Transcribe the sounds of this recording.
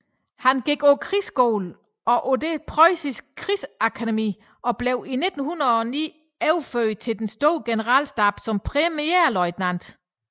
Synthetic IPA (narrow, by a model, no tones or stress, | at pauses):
hænɡ̥iɡ̥okʰʁisɡ̥o̰ːl | ɒ̽ʔodepʰʁɒɪsisɡ̥̚kʰʁisækʰædemḭː | ɒ̽b̥leʊine̝d̥n̩hunɐðˠɒ̽nḭː | eʊføt͡sʰe̝ld̥ensd̥o̝ːɡ̥e̝nəʁɑ̰̈ːlsd̥ɑ̈b̥sɒ̽mpʰʁɛmieɐ̰lɒɪd̥næn̰d̥